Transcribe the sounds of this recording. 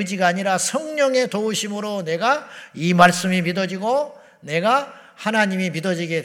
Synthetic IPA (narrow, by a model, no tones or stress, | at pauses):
ɯd͡ʑiɡaːɲiɾasʰʌŋɲʌŋe̞touɕʰimɯɾone̞ɡaimaɭs͈ɯmimidʌd͡ʑiɡo | ne̞ɡa | hanaɲimimidʌd͡ʑiɡe̞d